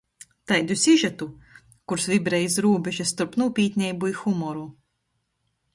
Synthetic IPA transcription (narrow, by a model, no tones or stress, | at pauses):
t̪ajd̪ʲusiʒat̪u | kuɾsvʲibɾɛjisɾuːbʲɛʒast̪uɾpnuɔpʲiːt̪ʲnʲɛjbuixumɔɾu